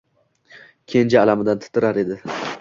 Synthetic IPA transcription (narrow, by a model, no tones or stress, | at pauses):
kʲʰe̞nd͡ʒaːlamɪd̪ant̪ʰɪ̥t̪ʰɪɾaɾe̞d̪ɪ